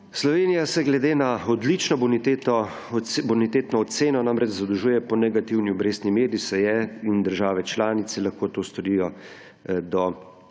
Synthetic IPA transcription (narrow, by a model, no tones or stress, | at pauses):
slɔʋeːnijasɛɡlɛd̪eːnaɔd̪lit͡ʃnɔbɔnit̪et̪ɔ | bɔnit̪eːt̪nɔːt̪seːnɔnamɾɛt͡ʃzad̪ɔʒuːjɛpɔnɛɡat̪iwniɔbɾeːst̪nimeːd̪isɛjɛind̪əɾʒaːʋɛt͡ʃlaːnit̪sɛlaxkoːt̪oːst̪ɔɾijɔ | d̪ɔ